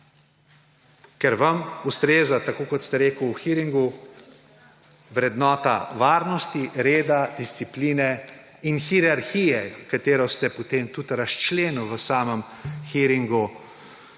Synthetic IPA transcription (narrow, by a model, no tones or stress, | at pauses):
kɛɾʋamust̪ɾeːzat̪akoːkɔt̪st̪ɛɾeːkwːxiɾiŋɡu | ʋɾɛd̪nɔːt̪a̰ʋaːɾnɔst̪iɾeːd̪ad̪ist̪sipliːnɛ | inxiɾaɾxijɛkat̪eːɾɔst̪ɛpot̪eːmt̪ut̪ɾast͡ʃleːnuʋəsaːməm | xiɾiŋɡu